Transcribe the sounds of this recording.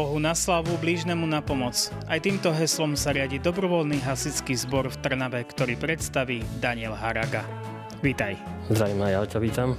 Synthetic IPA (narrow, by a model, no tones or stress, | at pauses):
ɔɦunaslaʋubliʒnɛmunapɔmɔt͡s | ʔajt̪iːmt̪ɔɦɛslɔmsaɾɪaɟiːd̪ɔbɾɔʋɔlniɦasit͡skiːzbɔɾft̪r̩naʋɛkt̪ɔɾiːpɾɛt̪st̪aʋiːd̪aɲɪɛlɦaɾaɡa | ʋit̪ajzd̪ɾaʋiːmajaʊt͡ʃɔʋiːt̪am